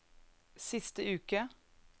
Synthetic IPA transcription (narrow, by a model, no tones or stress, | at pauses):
sɪst̪əʉːkə